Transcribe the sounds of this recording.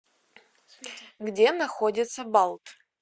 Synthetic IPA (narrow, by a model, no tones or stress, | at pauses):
ɡdʲe̞naxo̞dʲɪt̪sɐbalˠtʼ